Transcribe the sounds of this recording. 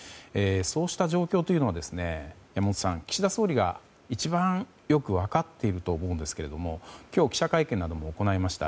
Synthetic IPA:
eːso̞ːɕi̥t̪aʑo̞ːkʲo̞ːt̪o̞iɯ̟no̞βad̪e̞sɨne̞jamot̪o̥sãŋkʲi̥ɕid̪aso̞ːɾʲiɡa̰ | it͡ɕibã | jo̞kɯ̟βakat̪ːe̞iɾɯ̟t̪o̞ːmo̞ːɯ̟nd̪e̞sɨ̥ke̞ɾe̞d̪o̞mo̞kʲo̞ːkʲi̥ɕakaikẽ̞nːad̪o̞mo̞ːko̞naimaɕi̥t̪a̰

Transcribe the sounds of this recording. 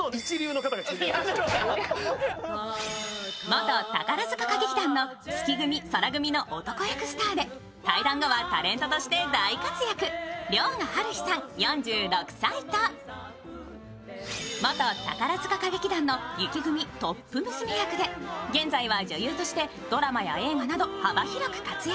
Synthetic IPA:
t͡ɕiɾʲjɯːnokat̪aɡa | mo̞t̪o̞t̪a̰kaɾazɨkakaɡe̞kʲid̪ãnːo̞ | sɨ̥kʲiɡɯ̟mʲisoɾaɡɯ̟mʲino̞ʔot̪o̞ko̞jakɯ̟sɨ̥t̪aːd̪e̞ | t̪aid̪ãŋɡo̞βat̪aɾẽ̞nt̪o̞t̪o̞ɕi̥t̪e̞d̪aikat͡sɨjakɯ̟ɾʲjoːnahaɾɯ̟çi̥sãŋjõ̞ɲ̟d͡ʑɨːɾo̞kɯ̟̥sait̪a | mot̪o̞t̪a̰kaɾazɨkakaɡe̞kʲid̪ãnːo̞jɯ̟kʲiɡɯ̟mʲit̪o̞pːɯ̟mɯ̟sɨmejakɯ̟d̪e̞ɡẽ̞nd͡zaiβad͡ʑɨjɯ̟ːt̪o̞ɕi̥t̪e̞ | d̪o̞ɾamaja̰e̞ːŋanad̪o̞habaçiɾo̞kɯ̟̥kat͡sɨja

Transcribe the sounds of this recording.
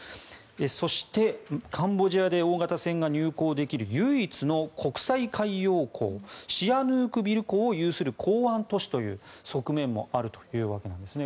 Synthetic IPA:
eso̞ɕi̥t̪e̞kʰãmbo̞ʑiad̪e̞o̞ːɡat̪asẽ̞ŋɡaɲ̟ɨːko̞ːd̪e̞kʲiɾɯ̟jɯ̟ːit͡sɨno̞kʰo̞kɯ̟̥saikaijo̞ːkʰo̞̰ːɕianɯːkɯ̟bʲiɾɯ̟ko̞ːjɯːsɨɾɯ̟kʰoːãnt̪o̞ɕi̥t̪o̞jɯ̟̰ːso̞kɯ̟mẽ̞mːo̞̰aɾɯ̟t̪o̥jɯ̟ːβake̞nãnd̪e̞sɨne̞

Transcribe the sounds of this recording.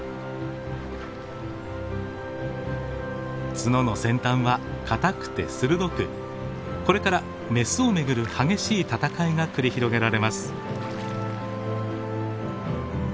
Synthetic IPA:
t͡sɨno̞no̞sẽ̞nt̪ãɰ̃βakʰat̪akɯ̟̥t̪e̞̰sɨɾɯ̟d̪o̞kɯ̟ | ko̞ɾe̞kaɾa | me̞sɨo̞me̞ɡɯ̟ɾɯ̟haɡe̞ɕiːt̪at̪akaiɡakɯ̟ɾʲiçiɾo̞ɡe̞ɾaɾe̞masɨ̥

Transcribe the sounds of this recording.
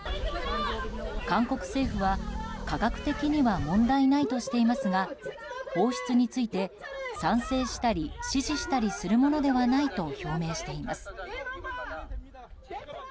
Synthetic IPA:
kãŋko̞kɯ̟̥se̞ːɸɯ̟βakaɡakɯ̟̥t̪e̞kʲiɲ̟iβamõ̞nd̪ainait̪o̞ɕi̥t̪e̞imasɨɡa | ho̞ːɕi̥t͡sɨɲ̟it͡sɨit̪e̞ | sãɰ̃se̞ːɕi̥t̪aɾʲiɕiʑiɕi̥t̪aɾʲisɨɾɯ̟mo̞no̞d̪e̞βanait̪o̞ço̞ːme̞ːɕi̥t̪e̞imasɨ̥

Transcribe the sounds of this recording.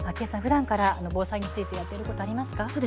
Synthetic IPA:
ake̞ːsãɸɯ̟d̪ãŋkaɾaːno̞bo̞ːsaiɲ̟it͡sɨit̪e̞jat̪ːeɾɯko̞t̪o̞aɾʲimasɨ̥kaoːd̪e

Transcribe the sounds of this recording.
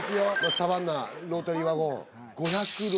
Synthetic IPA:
sɨjomasaβanːaɾoːt̪oɾʲiβaɡo | ɡoçakɯɾ

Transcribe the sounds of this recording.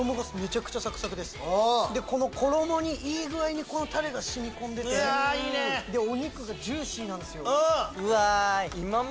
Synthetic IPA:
omoɡasme̞t͡ɕakɯ̟̥t͡ɕasakɯ̥sakɯ̟d̪e̞sɨ̥d̪e̞ko̞no̞kʰo̞ɾo̞mo̞ɲ̟iʔiːɡɯ̟aiɲ̟iko̞no̞t̪aɾe̞ɡaɕimʲikõ̞nd̪e̞t̪eaiːned̪e̞o̞ɲ̟ikɯ̟ɡad͡ʑɨːɕĩːnãnd̪e̞sɨjo̞ɯɯaimam

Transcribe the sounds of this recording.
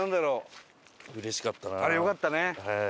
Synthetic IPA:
ãnd̪aɾoː | ɯ̟ɾeɕi̥kat̪ːanaaɾejo̞kat̪ːane

